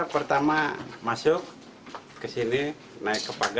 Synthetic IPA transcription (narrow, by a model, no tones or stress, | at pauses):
pərt̪amamasʊk̚ | kəsini | naɪkːəpaɡ